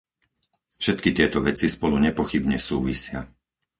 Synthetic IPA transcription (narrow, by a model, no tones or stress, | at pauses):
fʃɛt̪kit̪ɪɛt̪ɔʋɛt͡sispɔluɲɛpɔxibɲɛsuːʋisɪa